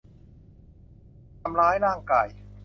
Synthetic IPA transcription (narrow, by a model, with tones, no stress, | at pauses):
ta˧mlaː˦˥jɾaː˥˩ŋkaː˨˩j